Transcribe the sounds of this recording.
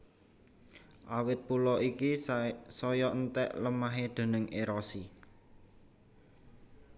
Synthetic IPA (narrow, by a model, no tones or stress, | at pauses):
ʔawɪt̪̚pulɔikisɔjɔʔənt̪ɛ̰ʔləmaɦeɖ̪̥e̤nɪŋʔeɾɔsi